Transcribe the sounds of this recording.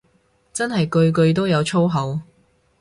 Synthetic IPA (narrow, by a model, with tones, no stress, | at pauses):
t͡sɐ˥nɦɐ˨jkɵ˧ɥk̬ɵ˧ɥt̪̬o˥wjɐ˨˧wt͡ʃʰo˥wɦɐ˨˧˥w